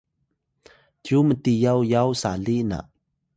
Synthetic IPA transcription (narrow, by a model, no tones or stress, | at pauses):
tjumətijawjawsa̰lina̰ʔ